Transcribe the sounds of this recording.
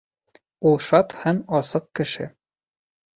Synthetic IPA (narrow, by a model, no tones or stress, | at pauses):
ulˠʃɑt̪hæmɑsɤq̚kɘ̆ʃɘ̰